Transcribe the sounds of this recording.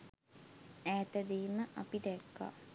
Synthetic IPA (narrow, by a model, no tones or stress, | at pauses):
æːt̪əd̪eːməʔapiʈɛkːa̰